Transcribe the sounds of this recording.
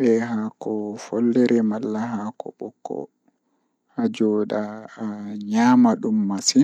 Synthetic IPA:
ɓɛɦakɔfɔlːɛɾɛmalːaɦakɔ̰ɓɔkːɔ̰ | had͡ʒɔːɗa | ɲaːmaɗumːasi

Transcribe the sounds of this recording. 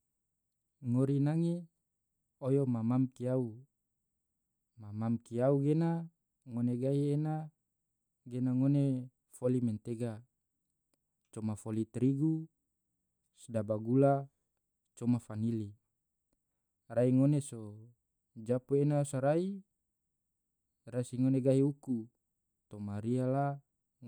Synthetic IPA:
ŋoɾinaŋe | ojomamamkiau | mamamkiauɡena | ŋoneɡaiena | ɡenaŋone | folimɛnt̪eɡa | t͡ʃomafolit̪ɾiɡu | sdabaɡula | t͡ʃomafanili | raiŋoneso | d͡ʒapuenasaɾai | rasiŋoneɡaiuku | t̪omaɾiala

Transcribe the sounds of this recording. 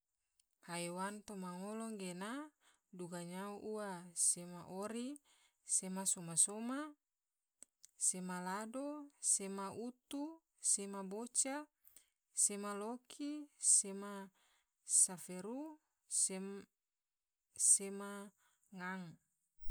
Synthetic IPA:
hajwant̪omaŋolɔŋɡena | duɡaɲauʔuasemaʔoɾi | semasomasoma | semaladosemaʔut̪u | semabot͡ʃa | semalokʰisema | safeɾu | s | sema | ŋaŋ

